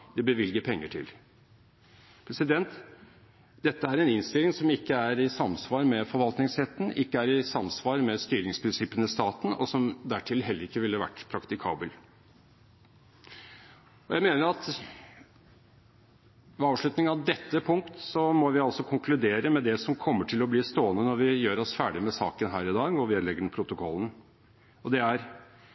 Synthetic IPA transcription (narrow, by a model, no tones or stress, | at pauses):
d̪ɛbəʋɪlɡəpʰɛŋːəʈʰɪ̰l | pʰɾɛsɪd̪ɛnt̪ | d̪̥ɛt̪ːəæɾɛnɪnst̪ɪlːɪŋsɔmɪkːəæɾɪsɑmsʋɑːɾmɛfɔɾʋɑlt̪nɪŋshɛt̪ːən̩ʔɪkːəæɾɪsɑmsʋɑːɾmɛst̪yːɾɪŋspʰɾɪnsɪpːənəst̪ɑːt̪n̩ɔsɔmd̪æʈʰɪlɦɛlːəɾɪkːəʋɪlːəʋæ̰ʈːpʰɾɑkt̪ɪkʰɑ̰ːbəl | ɔjæɪmeːnəɾɑt̪ | ʋɛɑːʋʂɭʉt̪nɪŋɑʋd̪ɛt̪ːəpʰʊŋkt̪sɔmɔʋɪɑlsɔkʰʊŋkʰlʉd̪eːɾəmɛd̪ɛsɔmkʰɔmːəʈʰɪlɔblɪst̪oːənənɔʋɪjøːɾɔsfæːɖɪmɛsɑ̰ːkənɦæːɾɪd̪ɑːɡɔʋelɛɡːəɖɛnpʰɾʊt̪ʊkʰɔlːən | ɔd̪ɛæɾ